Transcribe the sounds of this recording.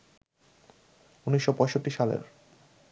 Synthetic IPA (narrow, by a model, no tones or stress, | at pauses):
uniʃːopɔeʃoʈːiʃalḛɾ